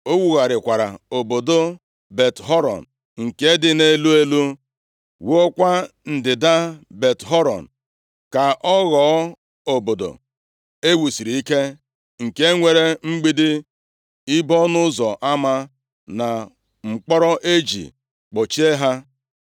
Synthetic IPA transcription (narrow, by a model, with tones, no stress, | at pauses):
o˦wu˨ɣa˨ɾɪ˨kʷa˨ɾa̰˨o˨bo˨do˦ | be˨tɦɔ˦ɾɔ̰˨n | ŋ̩˨ke˦dɪ˦ne˦lu˦e˦lu˦ | wo˦o˦kʷa˦ | n̩˨dɪ˨da˦be˨tɦɔ˦ɾɔ̰˨n̩˨ | ka˨ʔɔ˦ɣɔ˨˦ | o˨bo˨do̰˨ | e˦wu˨si˨ɾi˨i˦ke˦ | ŋ̩˨ke˦ŋʷe˨ɾe˦ŋ͡m̩˦ɡ͡bi˦dɪ˦ | i˦bɔ˦nʊ˦zɔ˨ʔa˦ma˦ | na˨ | ŋ͡m̩˨k͡pɔ˦ɾɔ˦ʔe˦d͡ʒḭ˨ | k͡po˨t͡ʃi˦e˦ɦa˦